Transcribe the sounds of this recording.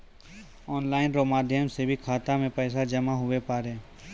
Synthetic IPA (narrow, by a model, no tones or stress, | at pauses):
ɔːnlaːɪnɾomaːd̪ʱjəmsebʱikʰaːt̪amẽpɛːsad͡ʒɐmaɦʊwepaːɾeː